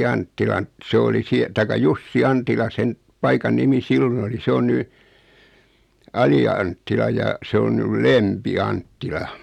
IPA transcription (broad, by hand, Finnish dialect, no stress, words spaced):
ɑntːilɑn se oli sie tɑikɑ jusːi ɑntilɑ sen pɑikɑn nimi silːon oli se on ny ɑliɑntːilɑ jɑ se on nyl lempi ɑntːilɑ